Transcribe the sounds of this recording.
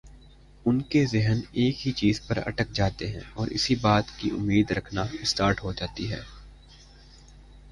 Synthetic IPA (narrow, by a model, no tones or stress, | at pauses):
ʊnkezɪɦəneːkɦit͡ʃiːzpɐɾɐ̰ʈək̚d͡ʒaːt̪eɦɛ̃ɔːɾʔɪ̰sibaːt̪kiʔʊ̰mːiːd̪ɾɐkʰnaɪsʈaːɾʈɦod͡ʒaːt̪iɦɛ̰ː